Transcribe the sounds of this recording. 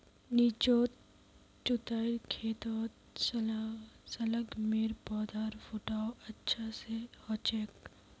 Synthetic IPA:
niːt͡ʃoːt̪̚ | t͡ʃʊt̪aːɪɾkʰeːt̪oːt̪ | s | sɐləɡmeːɾpɔːd̪ʱaːɾfʰoːʈaːoɐtːʃʰasehɔːt͡ʃeːk

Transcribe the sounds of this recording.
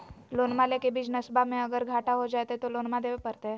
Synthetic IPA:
lonmalekebiːt͡ʃnəsbamẽəɡəɾɡʱaʈaɦod͡ʒajt̪eɛt̪olonmad̪eʋepəɾt̪eɦɛ

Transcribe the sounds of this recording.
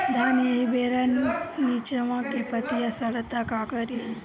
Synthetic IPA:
d̪ʱaniebeɾannit͡ʃəʋãkepət̪ijasəɭət̪akakəɾi

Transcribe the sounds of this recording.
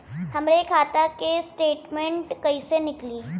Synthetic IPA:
hɐmɾekʰaːt̪akesʈeːʈmẽɳʈkɐisenɪkliː

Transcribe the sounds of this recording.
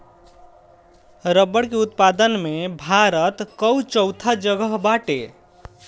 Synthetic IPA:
ɾəbːəɽkeut̪pad̪ənmebʱaɾət̪kəwt͡ʃəwt̪ʰad͡ʒəɡəɦbaʈe

